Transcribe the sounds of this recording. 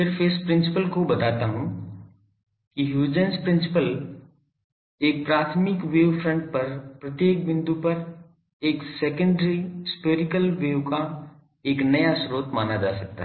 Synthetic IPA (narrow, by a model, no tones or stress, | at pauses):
pɪɾfeːspɾɪ̃nsɪpəlkobɐt̪aːt̪aːɦʊ̃m | kiɦjuːd͡ʒə̃nspɾɪ̃nsɪpəl | eːk̚pɾaːt̪ʰmɪkʋeːʋfɾə̃ɳʈ̚pɐɾpɾɐt̪jeːk̚bɪ̃nd̪upɐɾ | eːkseːkə̃ɳɖɾispeːɾɪkəlʋeːʋka | eːknɐjasɾoːt̪maːnad͡ʒa̰ːsɐk̚t̪a̰ɦ